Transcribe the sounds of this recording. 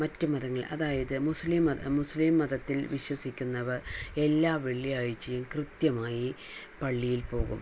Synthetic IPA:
mɐtːɨmɐðɐŋːɐɭʔɐ̰ðaːjɐðɨmusliːmɐmusliːmːɐðɐt̪ːilʋiɕwɐsikʲːunːɐʋɐre̞lːaːʋeɭːijaːɻit͡ɕːɐjumkrɨt̪jɐmaːji | pɐɭːijilpo̞ːɣṵm

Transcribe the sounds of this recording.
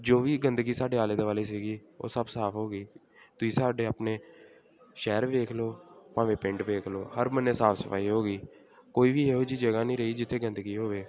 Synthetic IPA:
d͡ʒoːʋiːɡənd̪ɡiːsaːɖeːaːleːd̪eːʋaːleːs̬iːɡiːo̰ːsəbsaːpʰɦoːɡiː | t̪ʊiːsaːɖeːaːpneː | ʃɛːɾʋeːkʰloːpãːʋeːpɪ̃ɳʈʋeːkʰloːhəɾməneːsaːpʰsəpʰa̰ːiːɦoːɡiː | koːiːʋiːeːɦoːd͡ʒiːd͡ʒəɡaːnĩːɾəɦiːd͡ʒɪt̪ʰːeːɡənd̪əɡiːɦoːʋeː

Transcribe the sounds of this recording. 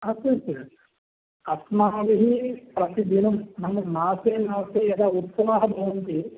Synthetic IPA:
ɐsɐɾsɐɾ | ɐsmaːʋiɦipɾɐt̪id̪ʱinɐmːɐnɐnaːseːnaːseːɐd̪aːut̪sɐʋaːɦɐbʱɐːɐnt̪i

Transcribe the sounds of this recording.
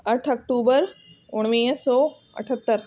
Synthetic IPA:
ɐʈʰɐk̚ʈuːbəɾ | ʊɽ̃ʋiːsɔː | ɐ̰ʈʰət̪ːəɾ

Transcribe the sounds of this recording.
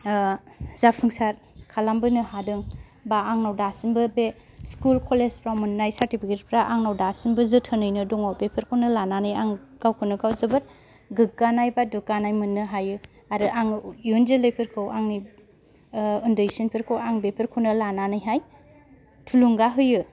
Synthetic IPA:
zapʰɯŋsaɾ | kʰalambɯnɯhadɯŋ | baːŋnawdasinbɯbe | skulkʰɔlespʰɾamɯnnːajsaɾtipʰiket̚pʰɾaʔaŋnawdasinbɯzɯtʰɯnɯjnɯdɔŋawbepʰɯɾkʰɯwnɯlananɯjaŋɡ̥awkʰɯnɯɡawzɯbɯɾ | ɡɯɡ̚ɡanajbadukɡanajmɯnːɯɦajɯ | aɾɯʔaŋjunzelɯjpʰiɾkʰɯwʔaŋni | ɯndɯsinpʰeɾkʰɯwaŋbepʰiɾkʰɯnɯlananɯjɦaj | tʰuluŋɡaɦɯjɯ

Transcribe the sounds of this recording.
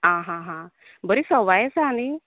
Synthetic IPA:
ɦãːɦãɦã | bəɾisəʋajesaːni

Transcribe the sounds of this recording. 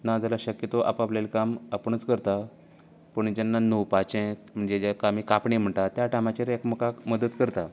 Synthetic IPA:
nad͡zalaɕəkjət̪oʔa̰paplelkamapəɳ̃ət͡skəɾt̪a | pəɳd͡ʑanːanowpat͡ɕẽm̤əɳd͡zed͡ʑekamikapɳem̤əɳt̪at̪jaʈamat͡ɕeɾekməkaməd̪ət̪kəɾt̪a

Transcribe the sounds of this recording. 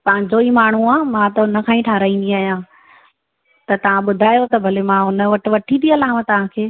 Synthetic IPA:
pɐ̃ɦɪ̃ɲd͡ʑoimaːɳ̤uaːmãt̪ɐnɐkʰãːĩʈʰaːɾaːĩːn̆d̪iaːɦijãː | t̪ɐt̪ɐʋ̤ãɓʊd̪ʱaːjot̪ɐbʱɐlemãɦʊnə̆ʋɐʈɪ̆ʋɐʈʰid̪iɐlaːmət̪ɐʋ̤ãkʰeː

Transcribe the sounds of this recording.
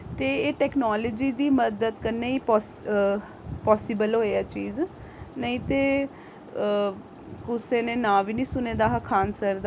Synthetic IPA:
t̪eːeːʈɛːknɔːləd͡ʒiːd̪iːməd̪əd̪kəneːiːpː | pɔːsɪbəlɦoːeaːt͡ʃiːz | nəĩːt̪eː | kʊseːneːnãːʋiːnĩːsʊnẽːd̪aːɦakʰaːnsəɾd̪

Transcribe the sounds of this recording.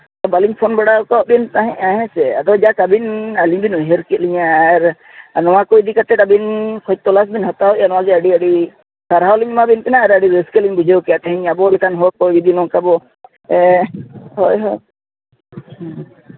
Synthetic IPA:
t̪ɔbaliɲpʰɔnbɔɽauk̪ɔʔ̚bint̪aɦɛ̃ʔaɦɛ̃sɛa̰t̪ɔd͡ʒakabinaliɲbinuɦeɾkɛliɲaɾ | nɔwakojd̪ikat̪ɛʈabinkʰɔt͡ʃ̚t̪ɔlasbinɦɔt̪aɔʔjanɔwad͡ʒɛaɖiaɖi | saɾɦawliɲmabint̪ɛnaaɾaɖiɾeskɛliɲbud͡ʒewkjat̪ɛɦiɲabɔlɛkanɦɔk̚ɔid̪inɔ̃kabɔ | ɛ | hɔjɦɔ

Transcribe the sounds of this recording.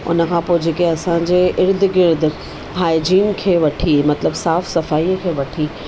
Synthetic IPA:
ʊ̰nə̆kʰãːpoːɪd͡ʑeːkeɐsãɲd͡ʑeʔɪɾd̪ɡɪɾd̪ | ɦaːɪd͡ʑiːnkʰeːʋɐʈʰimɐt̪ləbsaːfsɐfaːikʰeːʋɐʈʰiː

